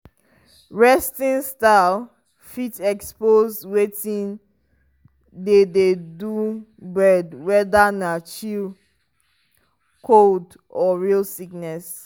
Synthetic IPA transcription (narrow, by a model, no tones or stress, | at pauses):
ɹɛstĩnstaɪl | fitɛkspozwetĩn | dededu | bɹɛdwɛdanat͡ʃil | kʰold | ɔɹilsiknɛs